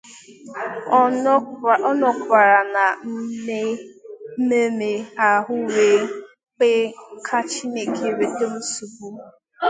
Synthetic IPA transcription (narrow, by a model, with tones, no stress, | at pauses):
ɔ˦nɔ˨kʷa˨ɾa˨na˨m̩˦e˦ | me˦me˨a˨ɦʊ˦we˨ | k͡pe˦kʰa˦t͡ʃi˦ne˨ke˦we˨te˦m̩˦su˨bu˦